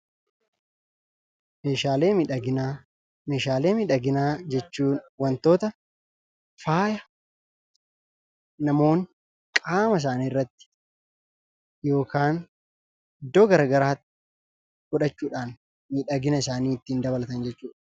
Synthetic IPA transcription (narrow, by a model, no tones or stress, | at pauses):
meːʃaːleːmiᶑɡɪa | meːʃaːle̞ːmiᶑɐɡɪnaːd͡ʒɛt͡ʃːuːnwɐnt̪o̞ːt̪ɐ | faːjɐ | nɐmo̞ːŋ | kʼaːmɐs̬aːniːrːɐt̪ːɪ̥ | jo̞ːkaːn | ɪd̪ːo̞ːɡɐɾaɡɐɾaːt̪ːɪ̥ | ɡ̥ʊᶑɐt͡ʃːuːᶑaːn | miːᶑɐɡɪnɐɪsaːniːɪt̪ːɪiːnd̪ɐβɐlɐt̪ɐnd͡ʒɛt͡ʃːuːᶑɐ̥